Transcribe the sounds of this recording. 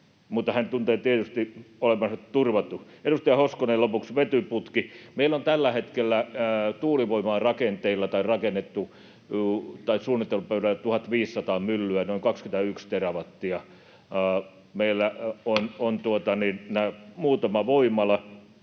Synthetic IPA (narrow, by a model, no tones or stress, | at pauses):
mut̪ːɑhænt̪unt̪eːt̪iet̪yst̪iolemɑnsɑt̪t̪urʋɑt̪ːˑu | edust̪ɑjɑhoskonelopuksʋet̪yput̪kimeilːont̪ælːæhet̪kelːæt̪uːliʋoimɑːrɑkent̪eilːɑt̪ɑirɑkenːet̪ːu | ut̪ɑisuːnːˑit̪ːelupøyɾælːt̪uhɑt̪ʋiːsːɑt̪ɑːmylːyænoiŋkɑkskynt̪æykst̪erɑʋɑt̪ːiɑ | meilːæonont̪uot̪ɑninnæːmuːt̪ɑmɑʋoimˑɑlɑ